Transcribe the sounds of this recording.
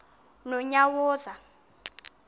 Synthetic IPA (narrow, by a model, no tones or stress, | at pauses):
nɔɲawɔːza